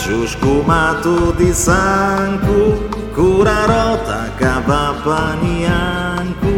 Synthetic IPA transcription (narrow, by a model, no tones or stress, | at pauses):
ʒuʃkumat̪uðisaŋkukuɾaɾɔt̪ɐ | kaβapɐniaŋku